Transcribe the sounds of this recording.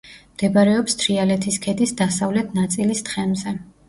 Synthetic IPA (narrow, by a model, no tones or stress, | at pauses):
md̪̥ɛbaɾɛɔpst̪ʰɾialɛt̪ʰiskʰɛd̪isd̪asavlɛt̪ʰnat̪sʼilist̪χɛmzɛ